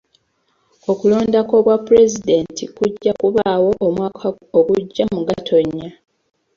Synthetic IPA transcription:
o̞kulo̞ːndako̞βwapːuɾe̞zide̞ːntikuɟːakuβaːwo̞ʔomwaːkʰa | oɡuɟːamuɡatʰo̞ɲːa

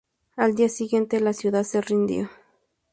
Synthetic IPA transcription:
ald̪iasiɣje̞nt̪elasjuðaðserind̪jo

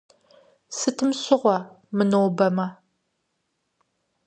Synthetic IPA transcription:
sɨtʰɨmɕɪʁʷɐ | mɨnowbɐmɐ

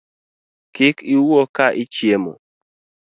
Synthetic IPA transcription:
kɪkiwokaʔit͡ʃjemɔ̰

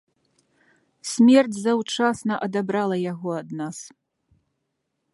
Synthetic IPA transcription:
sʲmʲɛrd͡zʲzɐwt͡ʂasnɐʔɐd̪abɾalˠɐjaɣɔɐd̪nas

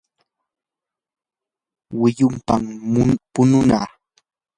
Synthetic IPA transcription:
wɪjʊmpampʊnʊna̰ː

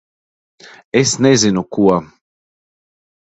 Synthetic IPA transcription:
esnezinukuɔ

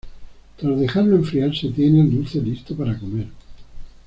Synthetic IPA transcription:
t̪ɾazðexaɾloeɱfɾialset̪jenalulθelist̪opaɾakomeɾ

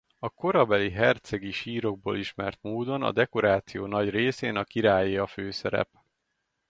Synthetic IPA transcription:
ɒko̞ɾɒbɛliɦɛrt̪sɛɡiʃiːɾo̞ɡ̚bo̰ːliʃmɛrt̪moːd̪o̞nɒ̰d̪ɛko̞ɾaːt̪sijoːnɒɟreːseːnɒkiɾaːjeɒføːsɛɾɛ̰p

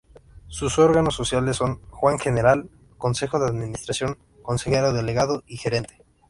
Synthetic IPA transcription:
suso̞ɾɣanosːo̞sjalesːo̞ŋxwaŋxe̞neɾal | ko̞nse̞xo̞ðeaðmĩnist̪ɾasjo̞ŋ | ko̞nsexeɾoðeleɣaðoixe̞ɾe̞nt̪e̥

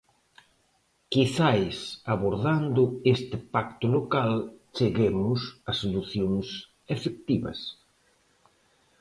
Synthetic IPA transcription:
kiθajsaβoɾðand̪ʊest̪ɪpakt̪ʊlokalt͡ʃeɣemʊsɐsoluθjoŋs | efek̚t̪iβɐ̰s

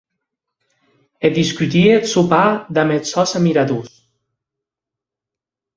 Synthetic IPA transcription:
ed̪iskyt̪iet̪supaðamet̪sɔsamiɾaðus

